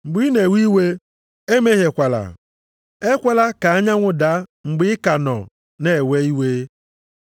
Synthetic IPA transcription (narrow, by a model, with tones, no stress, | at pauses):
ŋ͡m̩˨ɡ͡bi˦ne˨wʷi˦we˦ | e˦me˦ɦe˨kʷa˨la̰˨ | e˦kʷa˦la˦ka˨a˦ɲa˦ŋʷʊ˦da˦ŋ͡m̩˨ɡ͡bɪ˦ɪ˦ka˨nɔ̰˨ | ne˨we˦i˦we˦